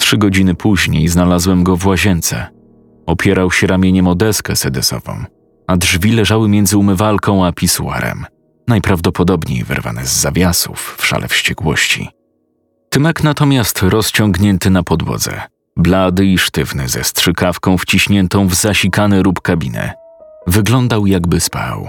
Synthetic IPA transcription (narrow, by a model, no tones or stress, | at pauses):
tʂɘɡɔd͡ʑinɘpʰuʑɲejznalazwɛmɡɔvwaʑɛnt̪sɛ̰ | ɔpʲjɛɾawɕɛɾamʲjeɲɛmɔd̪ɛskɛsɛd̪ɛsɔ̰vɔ̰̃w̃ | adʐvʲilɛʐawɘmʲjɛnd̪zɘumɘvalkʰɔ̃w̃apʲisuwa̰ɾɛ̰m | najpɾavd̪ɔpɔd̪ɔbɲḛjvɛ̰ɾva̰nɛzːavʲjasṵfːʂa̰lʔɛ̰fɕt͡ɕɛkwɔ̰ɕt͡ɕḭ | t̪ɨmɛknat̪ɔmʲjast̪ɾɔst͡ɕɔŋɡɲɛnt̪ɘnapɔd̪wɔ̰d̪zɛ̰ | blad̪ɘiʂt̪ɘvnɘ̰zɛ̰stʂɘkafkɔ̃w̃ft͡ɕiɕɲɛnt̪ɔ̃w̃vzaɕikanɛlupkabʲinɛ̰vɘɡlɔnd̪awjaɡbɘspa̰w